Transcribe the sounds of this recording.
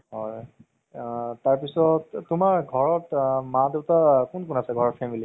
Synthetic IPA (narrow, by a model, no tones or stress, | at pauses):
ɦɔɹ | taɹpisɔttʊmaɹɡʱɔɹɔtmadetakunkunasɛɡʱɔɹɔɹ̚pʰɛmili